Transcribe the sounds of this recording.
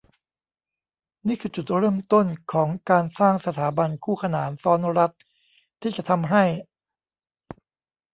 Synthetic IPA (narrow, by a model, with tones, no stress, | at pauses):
niː˥˩kʰɯː˧t͡ɕu˨˩t̪̚ɾɤː˥˩mt̪o˥˩nkʰɔː˩˦ŋkaː˧nsaː˥˩ŋsa˧t̪ʰaː˩˦ba˧nkʰuː˥˩kʰa˧naː˩˦nsɔː˦˥nɾa˦˥t̪̚ | t̪ʰːiː˥˩t͡ɕa˨˩t̪ʰa˧mɦa˥˩j